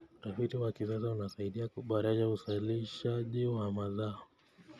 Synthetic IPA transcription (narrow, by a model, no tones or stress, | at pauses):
utafitiwakis̬asaunasaiɗiauɓaɾaʄausaliʃaʄiwamaðaɔ